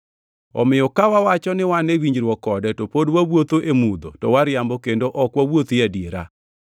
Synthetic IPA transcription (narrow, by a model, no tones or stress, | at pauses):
ɔ̰mɪjɔkawawat͡ʃɔnɪwanewiɲd͡ʒɾwɔkɔdɛtopodwawwot̪oʔemud̪o̰tɔwaɾjambokendoʔɔkwawot̪jadjeɾa̰